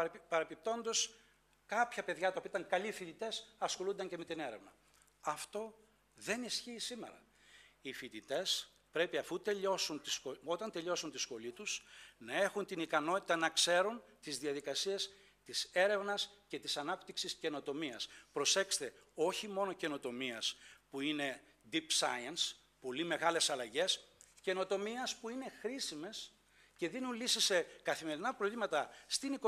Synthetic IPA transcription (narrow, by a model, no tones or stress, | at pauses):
pɐɾepip̚t̪o̞nd̪o̞s | kɐpçɐpe̞ðʝɐt̪ɐopiit̪ɐŋkɐlifit̪it̪e̞sɐsxo̞lund̪ɐɲce̞me̞t̪ine̞ɾe̞vnɐ | ɐft̪o̞ | ðe̞nisçiːsime̞̰ɾɐ̰ | ifit̪it̪e̞s | pɾe̞piɐfut̪e̞ʎo̞sunt̪isoo̞t̪ɐnt̪e̞ʎo̞sunt̪isxo̞lit̪usnɐe̞xunt̪inikɐno̞t̪i̥t̪ɐnɐkse̞ɾunt̪izðiɐðikɐsies | t̪ise̞ɾe̞vnɐsce̞t̪isɐnɐpt̪iksisce̞no̞t̪o̞miɐspɾo̞se̞kst̪e̞o̞çimo̞no̞ce̞no̞t̪o̞miɐspuine̞ | d̪ipsɐ̰jɐns | po̞lime̞ɣɐle̞sɐlɐʝe̞sce̞no̞t̪o̞miɐspuine̞xɾisime̞s | ce̞ðinunlisisːe̞kɐθime̞ɾinɐpɾo̞vlimɐt̪ɐst̪iniko